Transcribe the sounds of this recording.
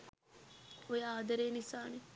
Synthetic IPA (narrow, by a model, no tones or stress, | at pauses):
ojaːd̪ɐɾeːnisaːne